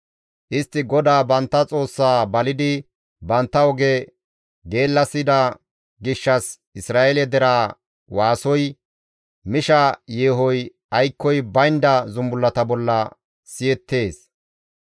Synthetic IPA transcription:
ʔɪst̪ːɪɡɔd̪aːbɐnt̪ːɐt͡sʼo̞ːsːaːbɐlɪd̪ɪ | bɐnt̪ːɐɔɡɛ | ɡe̞ːlːɐsɪd̪ɐ | ɡɪʃːɐs | ɪsɾaːʔɛlɛd̪ɛɾaː | waːsɔj | mɪʃɐje̞ːɦɔj | ɐjkːɔjbɐjnd̪ɐzʊmbʊlːɐt̪ɐbɔlːɐ | sɪjɛt̪ːe̞ːs

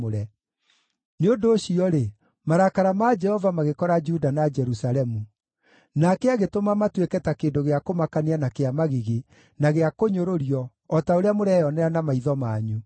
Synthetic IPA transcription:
oɾɛ | neondoːɕiɔɾe | maɾakaɾamad͡ʒɛhɔvamaɣekɔɾad͡ʒudanad͡ʒɛɾusaɾɛmu | nakɛaɣetomamatwekɛtakeːndoɣeakomakanianakeamaɣiɣe | naɣeakoɲoɾoɾiɔː | taoɾeamoɾɛɔnɛɾanamaiðɔmaːɲu

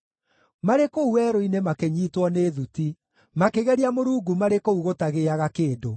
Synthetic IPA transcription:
maɾekouwɛːɾoinemakeɲiːtwɔneːðuti | makeɣɛɾiamoɾuːɡumaɾekouɣotaɣeaɣakeːdo

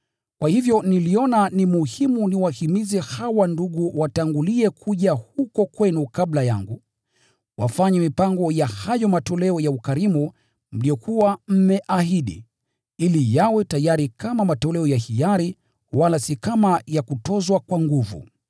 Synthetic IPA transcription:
kwahivjɔniliɔnanimuhimuniwahimizɛhawanduɠuwataŋɡuliɛkʰuʄahukɔkwɛnukablaja̰ŋɡu | wa̰faɲɛmipaŋɡɔjahajɔmatɔlɛɔjaukaɾimu | m̩liɔkuwam̩mɛʔaɦiɗḭ | ilijawɛtajaɾikamamatɔlɛɔjahijaɾi | walasikamajakutɔzwakwaŋɡuvṵ

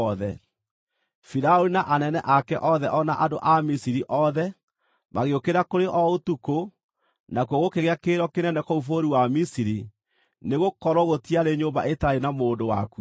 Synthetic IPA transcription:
ðɛ | fiɾaoɾinaʔanɛnɛʔakɛʔɔðɛʔɔnaʔadoʔamisiɾiʔɔðɛ | maɣeokeɾakoɾeʔɔotuko | nakuoɣokeɣeakeɾɔkenɛnɛkɔufoɾiwamisiɾi | neɣokɔɾwɔɣotiaɾeɲomba̰ʔetaɾenamoːndowa̰ku

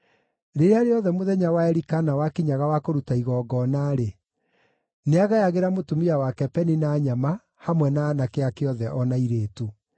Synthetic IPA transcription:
ɾeɾeaɾeɔðɛmoðɛɲawaɛɾikanawakiɲaɣawakoɾutaiɣɔːɡɔːnaɾe | neaɣajaɣeɾamotumiawakɛpɛninaːɲama | hamwɛnaːnakeakeɔðɛʔɔnaiɾeːtu

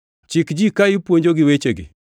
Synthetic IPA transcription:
t͡ʃɪkd͡ʒikaɪpwoɲd͡ʒoɡɪwet͡ʃeɡɪ̰

